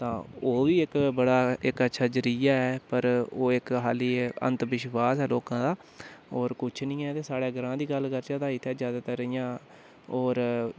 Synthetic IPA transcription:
t̪ãːoːʋiːɪkbəɽaːɪkətːʃʰaːd͡ʒəɾijaːɛːpəɾoːɪkɦaːliːə̰̃nt̪ʋɪʃʋaːsɛːloːkãːd̪aː | ɔːɾkʊt͡ʃʰnĩːɛːt̪eːsaːɽeːɡəɾãːd̪iːɡəlkəɾd͡ʒãːt̪ãːɪt̪ʰːɛːzjaːd̪aːt̪əɾəjãː | ɔːɾ

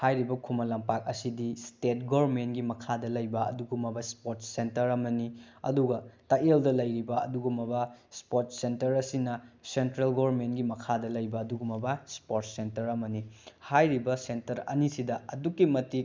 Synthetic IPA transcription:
hajɾibɐkʰumɐlɐmpak̚ɐsidistet̚ɡoɾmentɡimɐkʰadɐlɐjbɐɐ̰duɡumɐbɐspotsentɐɾɐmɐniɐ̰duɡɐtɐeldɐlɐjɾibɐɐ̰duɡumɐbɐspot̚sentɐɾɐsinɐsentɾelɡoɾmentɡimɐkʰadɐlɐjbɐːduɡumɐbɐspot̚sentɐɾɐmɐnihajɾibɐsentɐɾɐ̰nisidɐɐdukːimɐtik̚

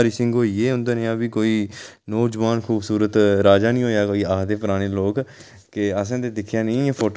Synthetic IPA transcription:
ɾiːsɪ̃ŋɡɦoːiːeːʊ̃nd̪aːnẽːaːbiːkoːiː | nɔːd͡ʒəʋaːnkʰuːbsuːɾət̪ɾaːd͡ʒaːnĩːɦoːjaːkoːiːaːd̪eːpəɾaːɽ̃eːloːk | kɪəs̬ãːd̪eːd̪ɪkʰjaːnĩːpʰoːʈ

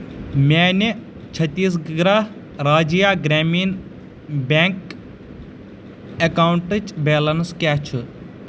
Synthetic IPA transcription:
maːni | t͡ʃʰɐt̪ːiːsɡɡɾaːɦ | ɾaːd͡ʒijaːɡɾaːmiːn | bʲaːŋk | ekaːwɳʈɨt͡ʃbeːlɐnskaːt͡ʃʰu

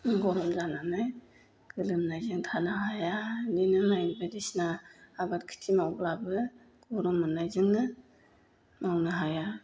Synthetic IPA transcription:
ɡɔɾɔmzananaj | ɡ̥ɯlɯmnajzɯŋtʰanaɦajaninɯmajnbadisnaːbatkʰi̥tʰimawblabɯ | ɡ̥ɔɾɔmːɯnajzɯŋnɯ | mawnɯɦaja

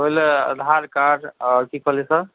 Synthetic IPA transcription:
oleə̰d̪ʱaɾkaɾsikʰəlɛsə

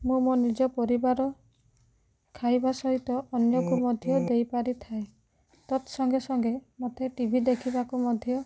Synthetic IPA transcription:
mũmonid͡ʒɔpɔɾibaɾɔ | kʰajbasɔɦit̪ɔʔːnjɔkumɔd̪ʱjɔd̪ejpaɾit̪ʰae | t̪ɔt̪sɔŋɡesɔŋɡemot̪ʰeʈibʱid̪ekʰibakumɔd̪ʱjɔ

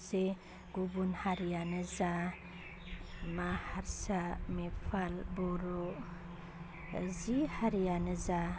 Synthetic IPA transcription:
se | ɡubunhaɾijanɯza | mahaɾsamepʰalbɔɾɔ | zihaɾijanɯza

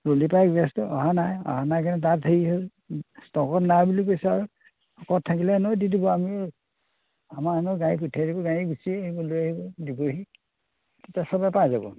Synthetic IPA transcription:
ɹolipajɡɡɛstɔɔ̰ɦanajɔ̰ɦanajkanɛtatʰeiɦo | stɔkɔtnabulik̬ojsɛaɹu | ɔkɔttʰːakilɛnɔjdidibɔami | amaanɔɡãiputʰajdibɔɡãiɡisiaɦibɔlojaɦibɔdibɔɦi | tɛtasɔbapajzabɔ̰

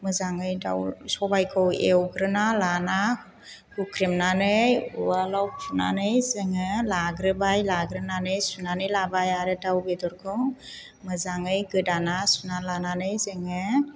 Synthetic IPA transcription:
mɯzaŋɯjda̰wsɔbajkʰɯwḛwɡɾɯnalana | hukʰɾimnanɯjṵwalawpʰuna̰nɯjzeŋɯlaɡɾɯbajlaɡɾɯnanɯjsunanɯjlabajaɾɯdawbedɔɾkʰɯw | mɯzaŋɯjɡɯdanasunalananɯjzeŋɯ

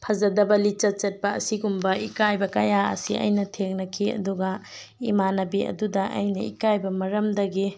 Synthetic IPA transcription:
pʰɐzɐdɐbɐlit͡ʃɐt̚t͡ʃɐt̚pɐːsiɡumbɐikajbɐkɐjaɐ̰siʔɐ̰jnɐtʰeŋnɐkʰiɐ̰duɡɐ | imanɐbiɐ̰dudɐʔɐ̰jnɐḭkajbɐmɐɾɐmdɐɡi

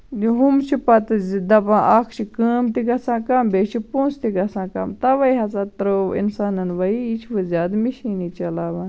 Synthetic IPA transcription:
iɦumt͡ʃʰipɐt̪ɨzd̪ɐpãːʔakʰt͡ʃʰikəːmt̪iɡɐsãːkambeːt͡ʃʰipõːnst̪iɡɐsãːkɐ̰mt̪ɐʋɐiɦɐsat̪ɾoḭnsaːnɐnʋɐiit͡ʃʰʋɨzʲjaːd̪miʃiːnit͡ʃɐlaːʋãːn

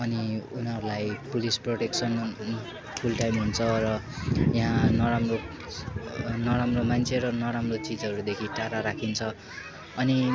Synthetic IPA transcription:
ʌniunɦʌɾulajpulisproʈeksʌn | pʰulʈajmɦunt͡sʰʌrʌ | jãɦãnʌɾamro | nʌɾamromant͡sʰeɾʌnʌɾamrot͡sid͡zʌɾud̪ekʰiʈaɾaɾakʰint͡sʰʌ | ʌni

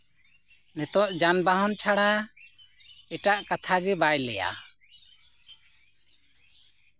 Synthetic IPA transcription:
nɛt̪ɔʔd͡ʒanbaɦɔnt͡ʃʰaɽa | ɛʈaʔkat̪ʰaɡɛbajlɛ̰ja̰

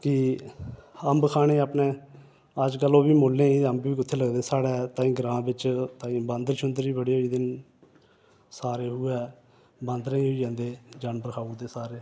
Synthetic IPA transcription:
kɪ | əmbkʰaːɽ̃eːəpneː | əd͡ʒkəlːõːbiːmoːlːẽːĩːəmbʋiːkɪt̪ʰːeːləɡd̪eːsaːɽɛːt̪ãːĩːɡɾãːbɪt͡ʃt̪aːĩːbə̃nd̪ɾʃʰʊnd̪əɾiːbəɽiːiːd̪ɪn | saːɾeːɦuːɛː | bə̃nd̪ɾãĩːɦʊiːd͡ʒãːnd̪eːd͡ʒaːnpəɾəkʰaːud̪eːsaːɾeː

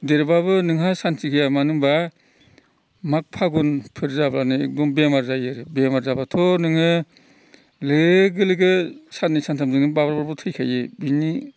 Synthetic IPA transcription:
deɾbabɯnɯŋɦasantʰikʰijamanɯŋba | mak̚pʰaɡunpʰɯɾzablanɯḛk̚dɔmbemaɾzajɯɾɯbemaɾzabatʰɔnɯŋɯ | leɡɯlɯɡɯsanisantʰamzɯŋɯbabɾbaɾbɯtʰɯjkʰajɯbini

